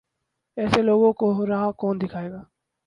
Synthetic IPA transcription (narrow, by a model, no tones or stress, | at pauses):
ɛːseloːɡõkoɾaɦakɔːnd̪ɪkʰaːeːɡaː